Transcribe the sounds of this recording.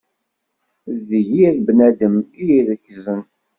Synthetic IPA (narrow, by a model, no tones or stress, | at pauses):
ðəʝiɾbnæd̪əmijiɾəkːzən